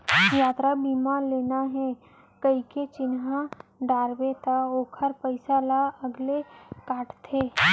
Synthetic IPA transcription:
jaːt̪ɾabiːmaleːnaɦɛ | kəiket͡ʃɪnɦãɖaːɾbet̪ʰaoːkʰəɾpəɪsalaəɡlekaːʈʰt̪ʰeː

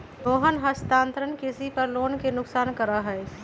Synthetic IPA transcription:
t̪oːɦənɦəst̪aːnt̪ɾənkisipəɾloːnkenʊksaːnkəɾaɦəj

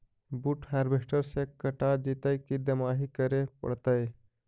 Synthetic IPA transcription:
buʈhaɾbesʈəɾsekːəʈad͡ʒit̪əjkid̪əmaɦikəɾepə̰ɽt̪əj

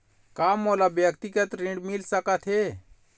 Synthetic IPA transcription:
kaːmoːlabjəkt̪ikət̪ɾĩɳɖmilsəkat̪ʰɦe

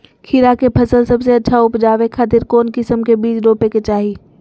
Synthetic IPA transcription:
kʰiɾakepʰɐsəlsəbseɐtːʃʰaʊpd͡ʒaːʋekʰaːt̪̬ɪɾkoːnkɪsəmkebiːd͡ʒɾoːpeket͡ʃaːɦi

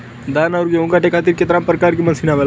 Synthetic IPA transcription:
d̪anaɾuɡeũkaʈekʰat̪̬iːɾket̪əɾampɾəkaɾkimənsinaʋela

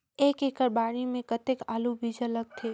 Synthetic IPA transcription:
eːkeːkəɾbaːɽimẽkɐt̪ɪkaːlubʱid͡ʒələɡ̚t̪ʰeː

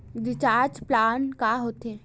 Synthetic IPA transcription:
d̪ɪt͡ʃaːɾd͡ʒplaːnkaɦoːt̪eɛ̃

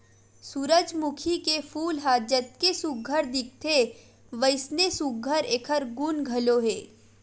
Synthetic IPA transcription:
suːɾəd͡ʒmʊkʰikefʰuːlɦaːd͡ʒət̪̚kesuɡʱːəɾd̪ɪk̚t̪ʰe | ʋəɪsnesuɡʱəɾeːkʰəɾɡunɡʱəloɦeː

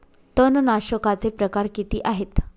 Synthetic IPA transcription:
t̪ənnaɕəkat͡sepɾəkaɾkit̪iːʔaɦet̪

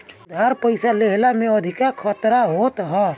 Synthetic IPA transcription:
d̪ʱaɾpəɪsaleɦlamẽəd̪ʱɪkakʰət̪ɾaɦoːt̪ɦɛ

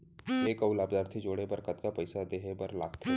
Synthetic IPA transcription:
eːkəʊlaːbd̪aːɾt̪ʰid͡ʒoːɽebɐɾkət̪kapɐɪsad̪eːɦebɐɾla̰ːkt̪ʰe

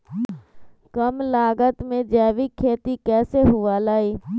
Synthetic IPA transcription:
kəmlaːɡət̪mẽd͡ʒɛːʋikʰeːt̪ikɛːseɦʊʋalaːiː

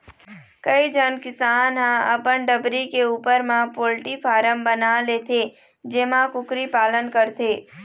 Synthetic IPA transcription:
kəid͡ʒənkɪsaːnɦãəpəɳɖəbɾikeuːpəɾmãpoːlʈipʰaːɾəmbənalet̪ʰe | d͡ʒeːmãkʊkɾipaːlənkəɾt̪ʰe

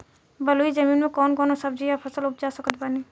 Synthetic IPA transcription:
bɐluid͡ʒɐmiːnmẽkɔːnkɔːnosɐb̚d͡ʒijapʰɐsəlʊp̚d͡ʒaːsəkət̪̚baːni

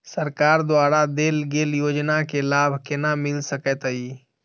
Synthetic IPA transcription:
səɾkaːɾd̪ʊaːɾad̪eːlɡeːljoːd͡ʒnakelaːbʱkenamɪlsəkɛt̪əi

